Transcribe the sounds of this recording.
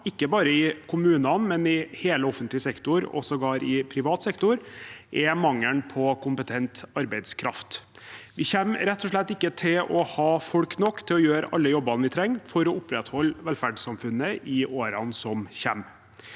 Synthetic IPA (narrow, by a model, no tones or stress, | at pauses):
ɪkːəbɑːɾəɪkʰʊmʉːnɑnmɛnɪheːləɔfənt̪lɪəsɛkt̪ʊɾɔ̰sɔɡɑːɾɪpʰɾɪʋɑːt̪sɛkt̪ʊɾʔɛmɑŋːəɳpʰɔkʰʊmpət̪ʰɛnt̪ɑɾbæɪd̪skʰɾɑft̪ | ʋɪçɛmɾɛt̪ːɔʂɭɛt̪ːɪkːət̪ʰɪlɔhɑːfɔlknɔkːt̪ʰɪlɔjøːɾɑ̰lːəjɔbɑnʋɪt̪ʰɾɛŋːfɔɾɔʊpɾɛt̪hɔlːʋɛlfæɖsɑmfʉnːəʔɪʔoːɾɑnsɔmçɛmː